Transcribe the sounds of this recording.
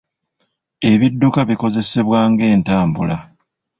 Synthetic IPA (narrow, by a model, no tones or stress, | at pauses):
e̞βidːukaβiko̞ze̞se̞βwaːŋɡe̞ːntaːmbula